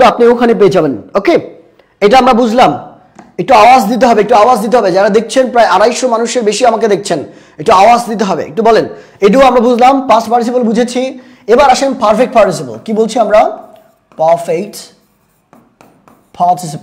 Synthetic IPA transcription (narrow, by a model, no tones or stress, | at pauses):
apniokʰanep̬eed͡ʑabenoke | eʈaamɾabud͡ʑʱlam | ek̚ʈuawasd̪it̪̬eɦɔbeekʈuaoazd̪it̪̬eɦɔbed͡ʑaɾad̪ek̚ʰt͡ɕʰenpɾaeʔaɾajʃomanuʃeɾbeʃiamaked̪ek̚ʰt͡ɕʰen | ek̚ʈuaoasd̪it̪̬eɦɔbḛḛk̚ʈubɔleneʈ̬uoamɾabud͡ʑʱlampaspaɾʈis̬ibəlbud͡ʑʱet͡ɕʰi | ebaɾaʃenpaɾfek̚ʈpaɾʈis̬ibə̰lkibolt͡ɕʰiamɾa | pafejʈ | pʰaʈis̬ip